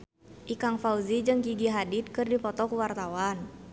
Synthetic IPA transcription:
ʔikaŋfauzid͡ʒɨŋkiɡiɦadit̪̚kɨrdipɔt̪ɔkuwart̪awan

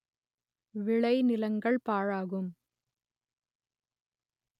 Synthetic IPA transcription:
ʋɪɭɐɪnɪlɐŋɡɐɭpaːɻaːɣɯm

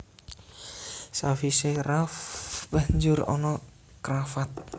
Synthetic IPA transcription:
safiserafb̥aɲd͡ʒʊrɔ̰nɔ | kɾafat̪̚

